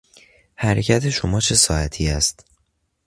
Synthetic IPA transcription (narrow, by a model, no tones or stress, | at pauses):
hæɾecʰæt̪ʰe̞ʃomɒːt͡ʃʰe̞sɒːæt̪ʰiːæst̪